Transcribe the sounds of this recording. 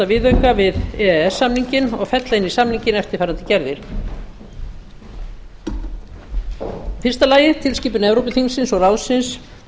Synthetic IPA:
avɪːðœɥkavɪðɛɛɛsːamniɲcɪnɔɣfɛt̪laɪnisamniɲcɪnɛft̪ɪɾ̥fajɾant̪ɪcɛɾðɪɾ̥ | fɪrst̪alaːjɪt̪ʰɪlsciːpʏnɛvɾowpʏθiŋnsɪnsɔɣrawsɪns

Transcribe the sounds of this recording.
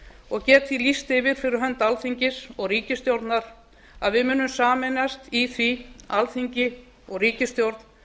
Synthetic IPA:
ɔɣcɛːt̪filist̪ɪvɪɾ̥fɪɾɪɾɦœnt̪alθiɲcɪsɔɣriːcɪst̪jowɾt̪naɾ̥ | aðvɪmʏːnʏmsaːmɛnast̪iθvialθiɲcɪ | ɔɣriːcɪst̪jowɾt̪n

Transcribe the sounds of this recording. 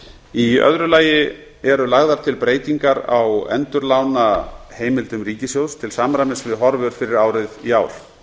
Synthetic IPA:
iœ̰ðɾʏlaːjɪ | ɛɾʏlaɣðaɾ̥t̪ʰɪlpɾeːjt̪iŋkaɾa̰wɛ̰nt̪ʏɾlaːwnaheːjmɪlt̪ʏmɾiːcɪsjowst̪ʰɪlsaːmɾamɪnsvɪðɦɔɾvʏɾ̥fɪɾɪɾaːwɾɪðiaːwɾ̥

